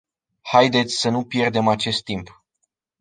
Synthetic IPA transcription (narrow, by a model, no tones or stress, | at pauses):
hajd̪e̞t̪sʲsənupje̞rd̪e̞mat͡ʃe̞st̪ːimp